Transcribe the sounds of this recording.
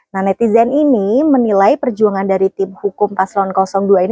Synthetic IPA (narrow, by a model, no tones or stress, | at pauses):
nahnɛt̪izɛninimənilajpərd͡ʒuaŋandaɾit̪ɪmhukʊmpaslɔnkɔsɔŋduain